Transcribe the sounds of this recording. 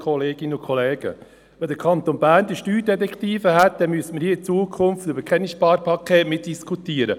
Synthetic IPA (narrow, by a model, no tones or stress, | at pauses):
kʰχɔleːɡ̥ɪnəʊkʰχoleːɡ̥ə̰ | ʋɛndəɾkʰɑnt̪onbæːɾnd̥̪iʃtyːɾdɛtɛkt̪iːfəɦæt̪̚d̥̪ɛmyəsəməɾhiːəɪt͡suːəkʰʊmftøbəɾkʰχɛnisʃpɑːɾpʰɑkʰeːtmɪt̚d̥iskʰut̪iːəɾə